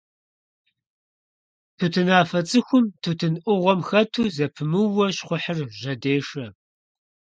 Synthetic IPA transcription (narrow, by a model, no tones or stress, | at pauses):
tʰuːtʰɨnaːfɐt͡sʼɨxʷʊmtʰuːtʰɨnʔʷʊʁʷɔmxɐtʰuːzɐpʰɨmɨwɐɕχʷʊħərʒɐdeːʂɐ